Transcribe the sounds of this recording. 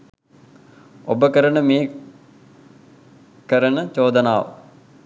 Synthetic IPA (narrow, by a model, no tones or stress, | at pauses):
obəkəɾənəmeː | kəɾənət͡ʃoːd̪ənaːʋə̰